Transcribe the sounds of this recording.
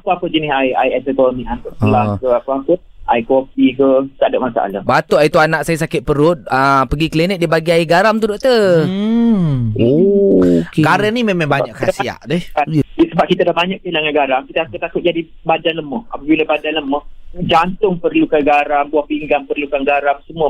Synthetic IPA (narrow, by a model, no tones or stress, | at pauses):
apəapəd͡ʒənɪsaja̰jɛsɛkɔlmiʔant̪ʊʔsəllakəapəapə | ʔa̰jkofikət̪adaʔmasa̰ʔa̰lahbat̪ʊʔait̪uanaʔsajas̬akɪt̪̚pəɾʊt̪̚əpəɡiklinət̪̚dibaɡiaiɡaɾamt̪udoʔt̪ə | o | kekaɾanimemẽbaɲaʔkasia̰ʔdɪhasəbap̚kit̪alahbaɲak̚pəilaŋaɡaɾaŋkit̪aasat̪akʊt̪̚d͡ʒadi | badanləməha̰pəbiləbadanləməhd͡ʒant̪ʊŋpərlukaɡaɾambuahpiŋɡaŋpərlukaŋɡaɾamsəmuə